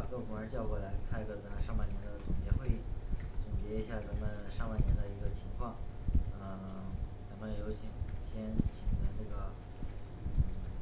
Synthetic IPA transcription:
kɤ˥˩fu˧˥ŋə˧˥t͡ɕjɑ˥˧ʊkwɔ˥˨˩la˧˥ɪk̪ʰa˥ɪ˧ɡɤ˥˩t͡sa˧˥mə˧ʂɑ˥˧ŋpa˥˩ɪnjɛ˧˥nd̪ə˧t̪ʰʊ˨˩ŋt͡ɕjɛ˧˥xwe˥˧ɪi˥˩ʈ͡ʂʊ˨˩ŋt͡ɕjɛ˧˥i˧˥ɕja˥˩t͡sa˧˥mə˧nʂɑ˥˧ŋpa˥˩ɪnjɛ˧˥nd̪ə˧i˧˥ɡə˧t͡ɕʰi˧˥ŋkʰwɑ˥˩ŋn˧˩t͡sa˧˥mə˧jo˧˥ʊt͡ɕʰi˨˩ŋɕjɛ˥nt͡ɕʰi˨˩ŋd̪ə˦na˥˩ɡə˩

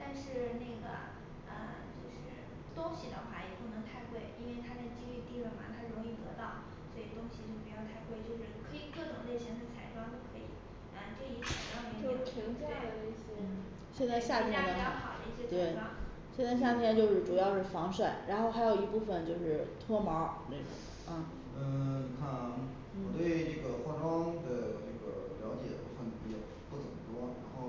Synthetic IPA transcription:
t̪a˥˧nʂɻ̩˥˧ne˥˩ɪɡə̰˩ | ə̰˧ | t͡ɕjo˥˧ʊʂɻ̩˥˩ | t̪ʊ˥ŋɕi˨˩d̪ə̰˧xwa˥˩jɛ˨˩pu˥˩nɤ˧˥ŋt̪ʰa˥˧ɪkwe˥˩ɪi˥nwe˥˩ɪt̪ʰa˥t͡sa˥˧ɪt͡ɕi˥ŋy˥˧t̪i˥˧ɻə˥˩ma̰˧˥˩t̪ʰa˥ɻʊ˧˥ŋi˥˩t̪ɤ˧˥t̪ɑ˥˩ʊ | swɔ˧˥i˨˩t̪ʊ˥ŋɕi˨˩t͡ɕjo˥˩ʊpu˧˥t͡ɕjʊt̪ʰa˥˧ɪkwe˥˧ɪt͡ɕjo˥˧ʊʂɻ̩˥˧kʰɤ˧˥i˨˩kɤ˥˩ʈ͡ʂʊ˨˩ŋle˥˩ɪɕjɛ˥nt͡sʰa˥˩t͡sʰa˨˩ɪʈ͡ʂwɑ˥ŋt͡ɕo˥˩ʊkʰɤ˧˥ḭ˨˩˦ | ə˧t͡ɕo˥˩i˧˥t͡sʰa˨˩ɪʈ͡ʂwɑ˥˧˥t͡ɕo˥˧˥ʂ̩ʰ˥˩i˧˥ŋt͡ɕjɑ˥˧d̪ə˩we˥˩˥ | ɕjɛ˥˧nt͡sa˥˧ɪɕja˥˩t̪ʰjɛ˥nə˧˥˩xɑ˨˩d̪i˥˩ɕɛ˥t̪we˥˩ɪa˥ | ɕjɛ˥˧nt͡sa˥˧ɪɕ̬ja˥˩t̪ʰjɛ˥nt͡ɕjo˥˧ʊʂɻ̩˥˩ʈ͡ʂu˨˩jɑ˥˧ʊʂɻ̩˥˩fɑ˧˥ŋʂwa˥˩ɻa˧˥nxo˥˩ʊxa˧˥ɪjo˨˩ʊi˧˥pu˥˩fə˨nt͡ɕjo˥˧ʊʂɻ̩˥˩t̪ʰwɔ˥mɑ˧˥ne˥˩ʈ͡ʂʊ̰˨˩˦ | ɐ˥˩ | ə˥˧ni˨˩kʰa˥˩n˥ | n̩wɔ˨˩t̪we˥˧ɪʈ͡ʂɤ˥˩ɡə˩xwa˥˩ʈ͡ʂwɑ˥ŋd̪ə˨ʈ͡ʂə˥˩ɡə̰˩ljɑ˧˥ʊt͡ɕjɛ̰˨˩d̪ə˦pu˥˩fə˨˩n˩pi˧˥˩t͡ɕɑ˥˩ | pu˥˩t͡sə˨˩m˩t̪wɔ˥ɻa̰˧˥nxo˥˩ʊ

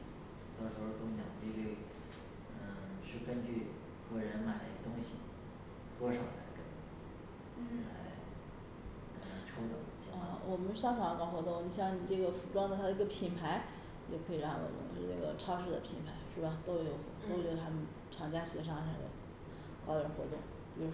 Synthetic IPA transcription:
t̪ɔ˥ʂɻ̩˧˥xo˥˧t̪ʊ˥ŋɕjɑ˨˩ŋt͡ɕi˥˧li˥˩ | ə˧˩ʂɻ̩˥˩kə˥nt͡ɕy˥˩ | kɤ˥˩ɻə˧˥nma˨˩ɪt̪ʊ˥ŋɕḭ˨˩ | t̪wɔ˥ʂo˨˩ʊla̰˧˥ɪkə˥n˧˩˥ | la˧˥ɪ˧˩ | a˧˩ʈ͡ʂʰo˥t̪ʊ˨˩ŋi˧˥ɕɑ˧ə˧˩wʔɔ˨˩mə˦nʂɑ˥˧ŋʈ͡ʂʰɑ˨˩ŋkɑ˥ʊxwɔ˧˥t̪ʊ˥˩ŋni˨˩ɕjɑ˥˩˧ŋni˨˩ʈ͡ʂɤ˥˩ɡə˩fu˧˩ʈ͡ʂwɑ˥ŋd̪ə˨˩a˥˩ə˧i˥ɡə˧pʰi˧˥npʰa˧˥ɪ | jo˥˧˩ʊkʰɤ˧˥i˨˩ɻɑ˥˩ŋxwɔ̰˨˩t̪ʊ̰˥˩ŋ̩˧˥˧ɤ˥˩ɡə̰˩ʈ͡ʂʰɑ˥ʊʂɻ̩˥˩d̪ə̰˨pʰi˧˥npʰa˧˥ɪʂɻ̩˥˩bɐ˩t̪o˥ʊ˧jo˧˩ʊft̪o˥ʊt͡ɕjd̪ə˧˩t̪ʰa˥mə˨n | ʈ͡ʂʰɑ˨˩ŋt͡ɕja˥ɕɛ˨˧˥ʂ̬ɑ˥˩ŋʂə̰˧˩d̪ə̰˧˩ | kɑ˥ʊɻə˧˥nxwɔ˧˥t̪ʊ˥˩ŋ | pi˨˩ɻu˧˥

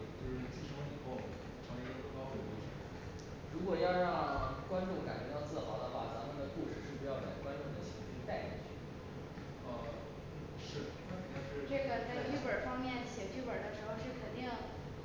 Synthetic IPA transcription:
t͡ɕjo˥˧ʊʂɻ̩˥˩t͡ɕi˥˩ʂʰo˧˥ŋi˨˩xo˥˩ʊ | ʈ͡ʂʰɑ˧˥ŋɛ˥ə˥˩o˥˩˥kɑ˥ku˥˩wɪʂə˧˥ | ɻu˧˥kwɔ˨˩jɑ˥˧ʊɻɑ˥˩ŋkwa˥nʈ͡ʂʊ˥˩ŋka˨˩ɪt͡ɕɥɛ˧˥j̪ʊt͡sʰɹ̩˥˩xɑ̰˨˥ʊd̪ə˧xwa̰˥˩t͡sa˧˥mʰi˧˥d̪ə˧ku˥˧ʂɻ̩˥˧ʂɻ̩˥˩pu˧˩˥jɑ˥˩ʊka˨˩ɪ˩kwa˥nʈ͡ʂʊ˥˩ŋd̪ə˩ɕʰi˧˥˧t͡ɕʰi˥t̪a˥˧ɪḭ˥˩t͡ɕʰy̰˥˩ | ə˧˥ | ʂɻ̩˥˩ | kʰə˨˥˩n˥ŋt̪a˥˧ʂɻ̩˥˧ʈ͡ʂɤ˥˩ɡə˩t͡sa˥˧ɪy˥˩pə˞˨˩fɑ˥ŋmjɛ˥˩nɕjɛ˨˩t͡ɕy˥˩pə˞˨˩d̪ə˦ʂɻ̩˧˥xo˥˧ʊʂɻ̩˥˩kʰə˨˩nt̪i˥˩ŋŋ

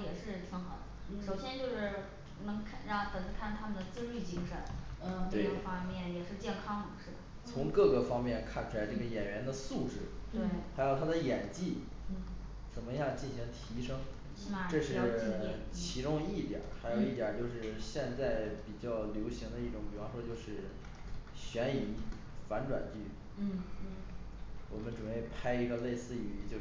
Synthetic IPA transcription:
jɛ˨˩ʂɻ̩˥˩t͡sʰə˧˥ŋxɑ˧˩˥d̪ə˧ʂo˨˩ʊɕjɛ˥nt͡ɕjo˥˧ʊʂɻ̩˥˩ | nɤ˧˥ŋkʰɻa˥˩o˥t̪ə˨˩nt͡sə˧˥kʰa˥˩nt̪ʰa˥mə˨nd̪ə˩t͡sɹ̩˥˧ly˥˩t͡ɕi˥ŋʂə˧˥n˧t̪we˥˩ɪə˥˩fɑ˥ŋmjɛ˥˩njɛ˨˩ʂɻ̩˥˧t͡ɕjɛ˥˩nkʰɑ˥ŋd̪ʂɻ̩˥˩d̪ə | t͡sʰʊ˧˥ŋkɤ˥˩ɡə˩fɑ˥ŋmjɛ˥˧nkʰa˥˩nt͡ɕʰu˧la˧˥ɪʈ͡ʂɤ˥˩ɡə˩jɛ˨˩nɥɛ˧˥nd̪ə˧su˥˧ʈ͡ʂɻ̩˥˩˥xa˧˥ɪjo˨˩ʊt̪ʰa˥d̪ə˨jɛ˨˩nt͡ɕi˥˩˥ | t͡sə˨˩nmə˦i˧˥jɑ˥˧ŋt͡ɕi˥˩nɕi˧˥ŋt̪ʰi˧˥ʂɤ˥ŋ | ʈ͡ʂɤ˥˧ʂɻ̩˥˩t͡ɕʰi˧˥ʈ͡ʂʊ˥ŋi˥˩t̪jɑ̰˨˩˦xa˧˥ɪjo˨˩ʊi˥˩jɐ˨˩t͡ɕjo˥˧ʊʂɻ̩˥˩ɕjɛ˥˧nt͡sa˥˩ɪpi˨˩t͡ɕjɑ˥˩ʊljo˧˥ʊɕi˧˥ŋd̪ə˧i˥˩ʈ͡ʂʊ˧˥ŋpi˨˩fɑ˥ʂwɔ˥t͡ɕjo˥˧ʊʂɻ̩˥˩ | ɕɥɛ˧˥ni˨˩n | fa˧˥nʈ͡ʂwa̰˨˩nt͡ɕy˥˩ | wɔ˨˩mə˦nʈ͡ʂu˨˩we˥˩ɪpʰa˥ɪi˧˥ɡə˧le˥˧ɪsɹ̩˥˩y˨˩y˧˥t͡ɕjo˥˧

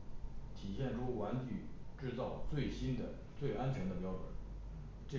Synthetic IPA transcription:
t̪ʰi˨˩ɕjɛ˥˩nʈ͡ʂʰu˥wa˧˥nt͡ɕy˨˩ʈ͡ʂɻ̩˥˧t͡sɑ˥˩˧ʊt͡swe˥˩ɪɕi˥nd̪ə̰˨ | t͡swe˥˩ɪʔa˥nt͡ɕʰɥɛ˧˥ŋd̪ə˧p̬jɑ˥ʊʈ͡ʂwə̰˨˩˦n | ʈ͡ʂɤ˥˩

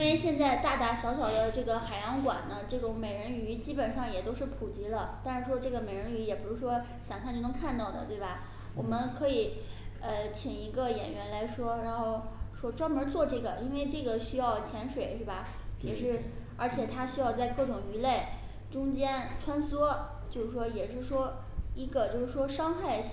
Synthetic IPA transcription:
inwe˥˧ɪɕjɛ˥˧nt͡sa˥˧ɪt̪a˥˩t̪a˧˥ɕjɑ˧˥ʊɕ̬jɑ˨˩ʊd̪ə˦ʈ͡ʂɤ˥˩ɡə˩xa˨˩ɪjɑ˧˥ŋkwa̰˨˩nnə˦ʈ͡ʂɤ˥˩ʈ͡ʂʊ˧˥ŋme˨˩ɪɻə˧˥ny˧˥t͡ɕi˥pə˨˩nʂɑ˥˩ŋjɛ˨˩t̪o˥ʊʂɻ̩˥˩pʰu˨˩t͡ɕi˧˥lə˧t̪a˥˧nʂɻ̩˥˩ʂwɔ˥ʈ͡ʂɤ˥˩ɡə˩me˨˩ɪɻə˧˥ny˧˥jɛ˨˩pu˨˩ɻu˧˥ʂwɔ˥ | ɕjɑ˨˩ŋkʰt͡ɕo˥˩n˧˥ŋkʰa˥˧nt̪ɑ˥˩ʊd̪ə̰˩t̪we˥˩ɪbɐ˩ | wʔɔ˨˩mə˦nkʰɤ˧˥i˨˩ə˧t͡ɕʰi˨˩ŋi˧˥ɡə˧jɛ̰˨˩nɥɛ˧˥nla˧˥ɪʂwɔ˥ɻa˧˥nxo˥˩ʊʂwɔ˥ʈ͡ʂwmə˧˥t͡swɔ˥˧ʈ͡ʂɤ˥˩ɡə˩i˥nwe˥˧ɪʈ͡ʂɤ˥˩ɡə˩ɕy˥jɑ˥˩ʊt͡ɕʰjɛ˧˥nʂwe˨˩ɪʂwe˥˩bɐ˩ | jɛ˨˩ʂɻ̩˥˩ə˞˧˥t͡ɕʰjɛ˨˩t̪ʰa˥ɕy˥jɑ˥˧ʊt͡sa˥˧ɪkɤ˥˩ʈ͡ʂʊ˨˩ŋy˧˥le˥˩ɪ | ʈ͡ʂʊ˥ŋt͡ɕjɛ˥nʈ͡ʂʰwa˥nswɔ˥ | t͡ɕjo˥˧ʊʂɻ̩˥˩ʂwɔ˥jɛ˨˩ʂɻ̩˥˩ʂwɔ˥ | i˧˥ɡə˧t͡ɕjo˥˧ʊʂɻ̩˥˩ʂwɔ˥ʂɑ˥ŋxa˥˩ɪ

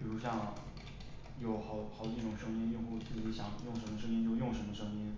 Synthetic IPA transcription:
pu˥ʂɑ˥˩ŋ | jo˨˩ʊxɑ˨˧˩ʊxɑ˨˩ʊ˧˥ʈ͡ʂʊ˨˩ŋʂɤ˥ŋi˥njo˥˧ʊpu˥˩t͡s̩ʰ˥˩i˧˥ɕjɑ˨˩˦ŋjʊ˥˩ŋʂə˧˥mə˧ʂɤ˥ŋi˥njo˥˧ʊjʊ˥˩ŋʂə˧˥nmə˧ʂɤ˥ŋi˥n

